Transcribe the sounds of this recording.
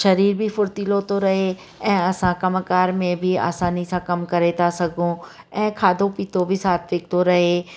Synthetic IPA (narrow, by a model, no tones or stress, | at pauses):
ʃɐɾiːɾbʱifʊɾt̪iːlot̪oɾɐɦe | ɛ̃ːɐsãkɐmkaːɾmẽbʱia̰ːsaːnisãkɐmkɐɾet̪asɐɡʱũ | ɛ̃ːkʰaːd̪ʱopiːt̪obʱisaːt̪ʰʋɪːk̚t̪oɾɐɦe